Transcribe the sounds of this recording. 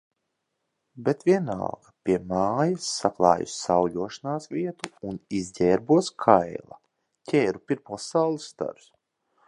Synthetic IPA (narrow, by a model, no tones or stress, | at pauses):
bet̪vʲiɛna̰lˠɡ̥apʲiɛmaːjasːaklˠɑ̰ːjṵsːawʎuɔʃanaːsʋʲiɛt̪uːnizɟʲɛːɾbuɔskʰajlˠa̰ | cʰʲeːɾupiɾpɔsawlˠisːt̪a̰ɾs